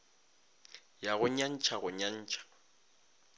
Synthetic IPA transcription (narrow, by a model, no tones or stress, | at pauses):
jaɣʊɲan̩t͡ʃʰaɣʊɲan̩ːt͡ʃʰʼḁ